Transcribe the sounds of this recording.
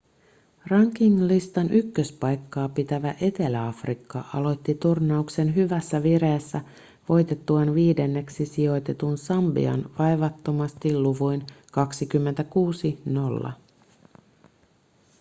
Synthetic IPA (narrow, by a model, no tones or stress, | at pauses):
rɑŋkiŋlist̪ɑnʔykːøspɑjkːɑːpit̪æʋæʔe̞t̪e̞læɑfrikːɑ̰ʔɑlo̞jt̪ːit̪urnɑukse̞nɦyʋæsːæʋire̞ːsːæ | ʋo̞jt̪e̞t̪ːuɑnʋiːde̞nːe̞ksisio̞jt̪e̞t̪unsɑmbḭɑ̰nʋɑjʋɑt̪ːo̞mɑst̪ilːuʋujnkɑksikymːe̞nt̪ækuːsino̞lːɑ̰